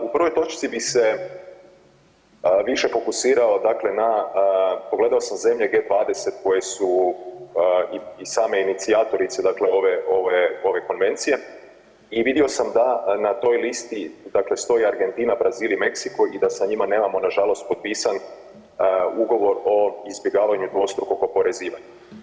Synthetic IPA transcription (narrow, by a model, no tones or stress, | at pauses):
upr̩ʋo̞jt̪o̞t͡ʃt̪sibise̞ | ʋiʃe̞fo̞kusiːɾao̞d̪akle̞na | poɡle̞d̪ao̞samze̞mʎeɡe̞ːd̪ʋaːd̪e̞se̞t̪ko̞jesu | iisaːme̞init̪siaːt̪o̞ɾit̪sed̪akle̞o̞ʋeo̞ʋeo̞ʋe̞ko̞nʋe̞nt̪sije̞ | iʋid̪io̞samd̪anat̪o̞jlist̪id̪akle̞st̪o̞jiaɾɡe̞nt̪iːnabɾaziːlime̞ksikojid̪asaɲimane̞ːmamo̞naʒalo̞st̪̚po̞t̪̚piːsan | uɡo̞ʋo̞ɾo̞izbje̞ɡaːʋaɲud̪ʋo̞st̪ɾukokopo̞ɾe̞ziːʋaɲe